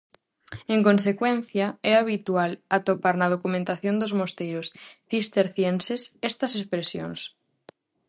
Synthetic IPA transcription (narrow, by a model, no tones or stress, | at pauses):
eŋkõnsekwɛ̃n̟θjɐɛaβ̞it̪ualɐt̪opaɾnɐð̞okumẽnt̪aθjõnd̪ʊzmost̪ejɾʊsθist̪eɾθjensesɛst̪ɐsespɾesjo̰ŋs